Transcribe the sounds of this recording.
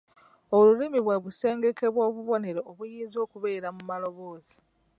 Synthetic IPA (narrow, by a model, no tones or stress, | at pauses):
olulimiβweβuse̞ːŋɡe̞ke̞βwoːβuβo̞ne̞ɾeʔoβujiːzo̞ːkuβe̞ːɾamumalo̞βo̞ːz̥i̥